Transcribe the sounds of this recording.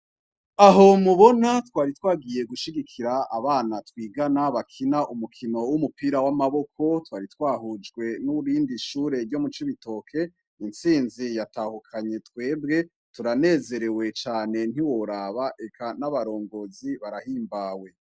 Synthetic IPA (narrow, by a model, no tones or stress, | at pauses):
aɦo̞muβo̞natwaːɾitwaːɡije̞ɡuʃiɡikʰiɾaa̰βaːnatwiːɡanaβakʰinaʔumukʰino̞wumupiːɾawamaβo̞kʰo̞twaːɾitwaːɦud͡ʒɡwe̞nuɾiːndiʃuːɾe̞ɾɟomut͡ʃiβito̞kʰe̞ | inst͡siːnzijataːhukʰaɲe̞tkwe̞ːbɡe̞ | tuɾane̞ːze̞ɾe̞we̞t͡ʃaːne̞n̥iwo̞ɾaːβaʔe̞kʰanaβaɾo̞ːŋɡo̞ziβaɾahiːmbaːwe̞